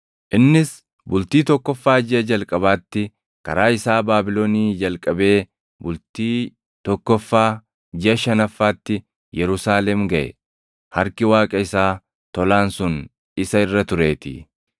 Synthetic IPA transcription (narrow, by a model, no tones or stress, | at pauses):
ʔɪnːɪs | bʊlt̪iːt̪ɔkːɔfːaːd͡ʒɪʔɐd͡ʒɐlkʼɐbaːt̪ːɪ | kɐ̰ɾaːɪsaːbaːbɪloniːd͡ʒɐlkʼɐbe̞ː | bʊlt̪iː | t̪ɔkːɔfːaː | d͡ʒɪɐʃɐnɐfːaːt̪ːɪ | jɛɾʊsaːlɛmɡɐʔɛ̰ | hɐɾkɪwaːkʼɐɪsaː | t̪ɔlaːnsʊn | ɪsɐɪrːɐt̪ʊɾe̞ːt̪ɪ̰